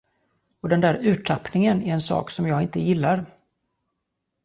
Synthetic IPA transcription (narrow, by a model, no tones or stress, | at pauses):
ɔd̪ɛnd̪æːɾʉ̟ːʈʰapnɪŋənæɾɛnsɑ̰ːksɔmjɑːɡɪnt̪əjɪlːaɾ